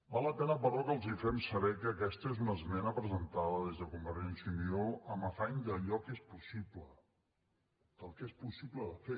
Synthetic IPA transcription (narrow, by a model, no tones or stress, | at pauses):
balˠːəpɛnəpəɾɔkəlˠzifɛmsəβɛkəːkɛst̪əezunəzmɛnəpɾəzənt̪aðəðezðəkumbəɾʒɛnsiunioəməfaɲd̪əʎɔkespusiplə | d̪̥əlˠkespusibləðəfe